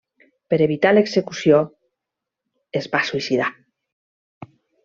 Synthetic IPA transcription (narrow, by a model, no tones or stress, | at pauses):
peɾeβ̞it̪aleksekusjo | ezβasuisiða